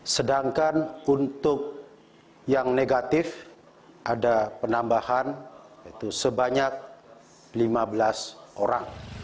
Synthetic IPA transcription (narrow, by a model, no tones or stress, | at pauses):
sədaŋkanunt̪ʊk̚ | jaŋneɡat̪ɪf | ʔadapənambahanjait̪usəbaɲak̚ | limabəlasʔoɾaŋ